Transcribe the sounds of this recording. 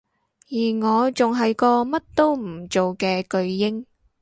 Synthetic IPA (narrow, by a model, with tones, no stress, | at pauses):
jiː˨˩ŋɔː˨˧t͡sʊ˨ŋɦɐ˨jkɔː˧mɐ˥t̚t̪o˥wm̩˨˩t͡so˨wkɛː˧kɵ˧ɥjɪ˥ŋ